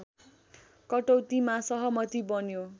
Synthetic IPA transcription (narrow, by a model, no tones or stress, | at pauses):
kʌʈowt̪imãsʌɦʌmʌt̪ibʌnjo